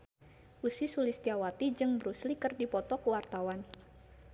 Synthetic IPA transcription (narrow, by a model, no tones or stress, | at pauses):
ʔusisulist̪iawat̪id͡ʒɨŋbɾuslikɨrdipɔt̪ɔkəwart̪awan